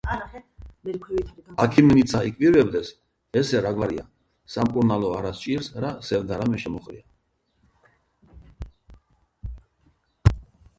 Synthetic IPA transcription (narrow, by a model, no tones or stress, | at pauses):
akʰimnit̪sʰaikʼviɾvɛbd̪ɛs | ɛsɛɾaɡvaɾḭa̰ | samkʼuɾnalɔaɾast͡ʃʼiɾsɾasɛvd̪aɾamɛʃɛmɔχɾḭa